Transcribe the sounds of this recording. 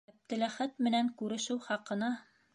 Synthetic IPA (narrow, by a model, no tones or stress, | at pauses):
æp̚t̪ɘ̆læχæt̪mɘ̆næŋkʉɾɘ̆ʃɘwχɑqɤ̆nɑ